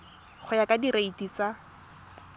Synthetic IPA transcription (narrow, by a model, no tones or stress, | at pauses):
χʊjakadireitit͡sa